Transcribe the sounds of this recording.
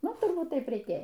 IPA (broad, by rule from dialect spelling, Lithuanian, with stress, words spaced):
ˈnʊ tʊrˈbuːt ˈtɐɪp rʲɛɪˈkʲeːjɛ